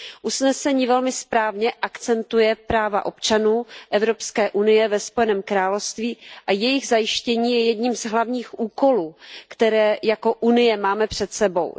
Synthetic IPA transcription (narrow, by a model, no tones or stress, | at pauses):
ʔusnɛsɛɲiːvɛlmɪspɾaːvɲɛʔakt͡sɛnt̪ujɛpɾaːvaʔo̞pt͡ʃanuːʔɛvɾo̞pskɛːʔunɪjɛvɛspojɛnɛːmkɾaːlofst̪viːʔajɛjɪɣzajɪʃcɛɲiːjɛjɛdɲiːmzɦlavɲiːxʔuːko̞luːkt̪ɛɾɛːjako̞ʔunɪjɛmaːmɛpr̥ɛt̪sɛbo̞̰w